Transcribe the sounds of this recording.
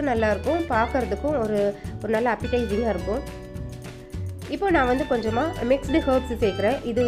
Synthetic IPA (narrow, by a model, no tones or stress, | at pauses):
ɯnɐlːaːɪɾɯkːʊ̃paːɾkɯɾɐðɯkːʊ̃ɔɾɯɔɾɯnaːlːɐːpːɪʈɐɪsɪŋɡaːɪɾɯkːʊ̃ | ɪpːoːnãːʋɐnd̪ɯkɔɲd͡ʒɐmːaːmɪksɖɯhɐːpsseːkɪɾẽːʔɪðɯ